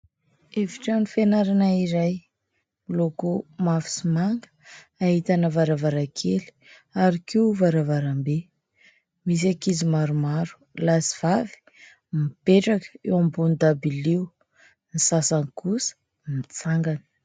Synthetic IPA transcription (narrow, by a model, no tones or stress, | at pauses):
eviʈ͡ʂanifenaɾanaiɾaj | lokumafi̥simaŋɡə̥ | aɦit̪anəvaɾavaɾakʰeli̥ | aɾikiuvaɾavaɾambe | mis̬akizimaɾumaɾu̥lasiv̥avi̥ | mipeʈ͡ʂakə̥ewambunid̪abiliw | nisasankusə̥ | mit͡saŋɡanə̥